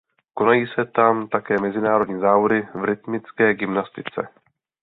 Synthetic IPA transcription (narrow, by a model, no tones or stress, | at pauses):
ko̞najiːsɛt̪amt̪akɛːmɛzɪnaːɾo̞dɲiːzaːvodɪvɾɪt̪mɪt͡skɛːɡɪmnast̪ɪt͡sɛ̰